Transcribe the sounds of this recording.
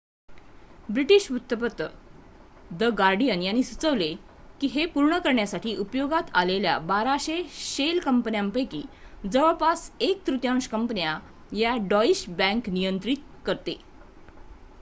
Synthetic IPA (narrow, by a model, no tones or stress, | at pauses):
bɾiʈiɕʋut̪ːəpət̪ːə | d̪əɡaɾɖijənjanːiːsut͡səʋle | kiːɦepuɾɳəkəɾɳjasaʈʰiːʔupjoɡat̪alelja̰baɾaɕeɕelkəmpnjampəjkiːd͡zəʋəpasek̚t̪ɾut̪jãŋɕkəmpənja | jaɖɔiɕbæ̃ŋknijənt̪ɾit̪̚kəɾt̪e